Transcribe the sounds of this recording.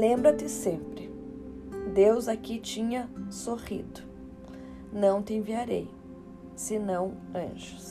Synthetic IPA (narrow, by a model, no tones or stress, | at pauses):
lẽmbɾɐt̪ɪsẽmpɾɪ | d̪ewzakit͡ʃĩɲɐsohḭd̪ʊ | nɐ̃w̃t̪ɪẽviaɾḛj | sɪnɐ̃w̃ɐ̰̃ʒʊ̥s